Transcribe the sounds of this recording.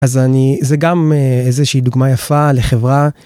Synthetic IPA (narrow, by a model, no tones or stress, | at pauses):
azanizeɡameezeʃiːd̪uɡmajafale̞χe̞vʁa